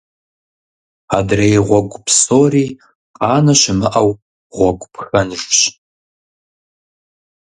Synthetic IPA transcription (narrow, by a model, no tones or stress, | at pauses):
adrejʁʷɔɡʷʊpʰsoːriː | qʼɑːnɐʃɪmɨʔɐw | ʁʷɔɡʷʊpʰxɐnʐɕ